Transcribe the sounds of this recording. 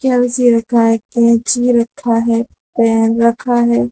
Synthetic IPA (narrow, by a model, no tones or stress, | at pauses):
kjaːbɪsiɾɐkʰaɦɛkɛɦd͡ʒiːɾɐkʰːaɦɛː | pɛːnɾɐkʰaɦɛː